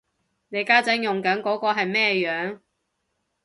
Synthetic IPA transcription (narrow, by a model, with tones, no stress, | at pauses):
ne˨˧jkaː˥t͡sɐ˨˥ŋjʊ˨ŋkɐ˨˥nkɔː˨˥kɔː˧ɦɐ˨jmɛː˥jœː˨˥ŋ